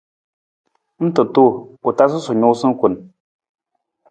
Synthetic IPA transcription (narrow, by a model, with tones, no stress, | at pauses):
n̩˦tɨ˨tu˦˨u˨ta˦s̬ɨ˦su˨ɲu˦sɨ˦ku˨n